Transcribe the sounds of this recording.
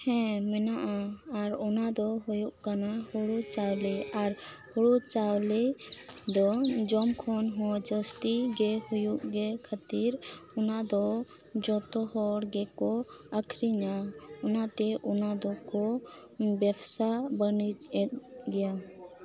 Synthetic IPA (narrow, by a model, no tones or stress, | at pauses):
hɛ̃mɛnaʔaːɾɔnad̪ɔɦujuʔkanahuɽut͡ʃawlɛaɾ | huɽut͡ʃawled̪ɔd͡ʒɔmkʰɔnɦɔ̃d͡ʒəst̪iɡɛhujuʔɡɛkʰat̪iɾʊnad̪ɔ | d͡ʒɔt̪ɔɦɔɽɡɛkɔəkʰɾiɲaʊnat̪ɛʔunad̪ɔkɔ | bɛbsabəni | ɡɛja